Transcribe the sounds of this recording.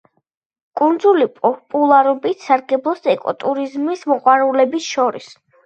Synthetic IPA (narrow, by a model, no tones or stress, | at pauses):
kʼund̪zulipʼɔpʼulˠaɾɔbit̪saɾɡɛblˠɔsɛkʼɔ̰t̪ʼuɾizmismɔqʼwaɾulɛbisʃɔɾḭs